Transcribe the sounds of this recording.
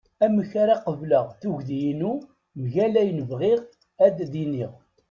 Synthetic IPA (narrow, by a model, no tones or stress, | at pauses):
æməçaɾaqəvləʁθuʝðjinu | mʝælæjnəvʁiʁ | æd̪ðiniʁ